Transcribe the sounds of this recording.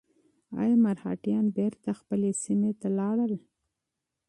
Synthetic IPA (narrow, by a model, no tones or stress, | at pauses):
ɑ̰jmaɾhɑ̰ʈjɑnbeɾt̪axpəlesimet̪alɑɽəl